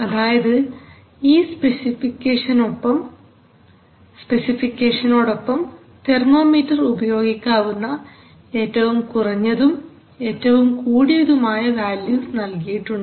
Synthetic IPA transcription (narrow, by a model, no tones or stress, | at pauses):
ɐðaːjɐðɨ | iːspesifikʲːeːʂɐnopːɐm | spe̞sifikʲːeːʂɐno̞ːɽo̞pːɐm | t̪e̞rmo̞ːmiːtːɐrubɐjo̞ːɡikʲːaːʋunːɐ | e̞ːtːɐʋumkurɐɲːɐðum | e̞ːtːɐʋumkuːɽijɐðumaːjɐʋaːljuːsnɐlkijiʈːuɳɖɨ